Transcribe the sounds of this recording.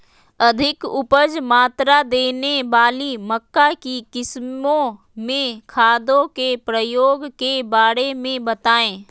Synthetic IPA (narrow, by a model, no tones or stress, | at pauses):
əd̪ʱɪkʊpəd͡ʒmaːt̪ɾad̪eːnebaːliməkːakikɪsmõ | mẽkʰaːd̪õkepɾəjoːɡkebaːɾemẽbət̪aːẽː